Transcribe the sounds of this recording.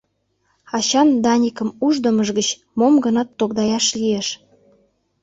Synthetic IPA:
ɑɕɑnd̪ɑnʲikəmuʒd̪ə̆məʒɣət͡ɕ | momɡənɑt̪ːokd̪ɑjɑʃlieʃ

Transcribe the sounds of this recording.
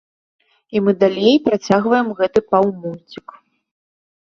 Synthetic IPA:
imɨd̪alʲejpɾat͡sʲaɣvɐjɛmɣɛt̪ɨpawmut͡sʲik

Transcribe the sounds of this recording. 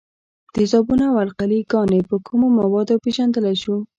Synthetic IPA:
d̪̥əzɑbunaawalqaliɡɑnepəkʰumomawɑd̪opeʒand̪əlajʃu

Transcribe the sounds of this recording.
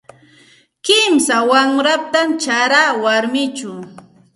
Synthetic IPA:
kɪmsawamɾap̚t̪amt͡ʃaɾaːwaɾmɪt͡ʃʊ

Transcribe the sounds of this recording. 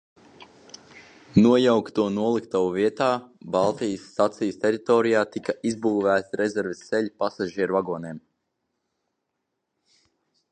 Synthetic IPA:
nuɔjawkt̪uɔnuɔlˠikt̪awuviɛt̪aːbalˠt̪ijəsːat̪sijəst̪ɛɾit̪ɔːɾijaːt̪ikaʔizbuːvæːt̪sɾɛzɛɾvisseʎʲpasaʒiɛɾuvaɡɔːnɛːm

